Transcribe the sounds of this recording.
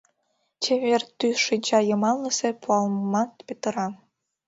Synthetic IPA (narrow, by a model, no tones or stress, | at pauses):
t͡ɕeβʲerʲt̪yʂid͡ʑɑjɤ̆mɑlˠnʲɤ̆sʲĕpʰuɑlˠmmɑt̪pʲet̪ɤ̆ɾɑ